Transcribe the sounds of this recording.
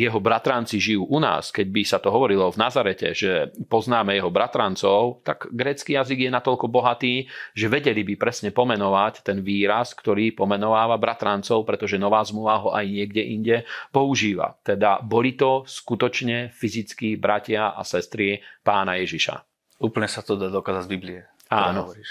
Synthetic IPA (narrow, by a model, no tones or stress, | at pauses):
jɛɦɔbɾat̪ɾant͡siʒijuːʔuna̰ːskɛɟ̚bisat̪ɔɦɔʋɔɾilɔvnazaɾɛcɛ̰ʒɛpɔznaːmɛjɛɦɔbɾat̪ɾant͡sɔʊt̪aɡɡɾɛːt͡skijaziɡjɛnat̪ɔʎkɔbɔɦat̪iːʒɛʋɛɟɛlibipɾɛsɲɛpɔmɛnɔʋact̪ɛnʋiːɾaskt̪ɔɾiːpɔmɛnɔʋaːʋabɾat̪ɾant͡sɔʊpɾɛt̪ɔʒɛnɔʋaːzmluʋaɦɔʔajɲɪɛɡɟɛʔiɲɟɛpɔuʒiːʋa̰t̪ɛd̪abɔlit̪ɔskut̪ɔt͡ʃɲɛfizit͡skibɾacɪaa̰sɛst̪ɾipaːnajɛʒiʃa̰ | uːpl̩ɲɛsat̪ɔd̪ad̪ɔkaːzazbibliɛ | aːnɔɔɾiːʃ